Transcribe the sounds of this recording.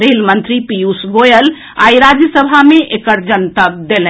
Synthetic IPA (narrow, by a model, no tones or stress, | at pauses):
ɾelmənt̪ɾipijusɡojəl | a̰iɾad͡ʒjəsəbʱamẽʔekəɾd͡ʒənt̪əb̚d̪elɛ̃